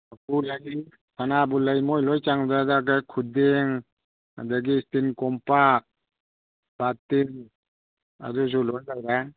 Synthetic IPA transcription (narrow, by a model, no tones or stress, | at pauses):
akulaji | kʰanabulajmɔjlɔjt͡ʃaŋzadak̬ajkʰudeŋ | a̰daɡistinkɔmpak̚ | b̥aten | a̰duz̬ulɔnlaɾa